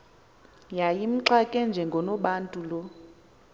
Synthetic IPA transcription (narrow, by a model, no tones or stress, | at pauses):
jajim̩ǁakʼɛnd͡ʒʱɛŋɡʱɔnɔɓantʼulɔ